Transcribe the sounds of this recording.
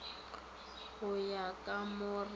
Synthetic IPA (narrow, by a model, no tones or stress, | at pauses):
hʊjakʼamʊr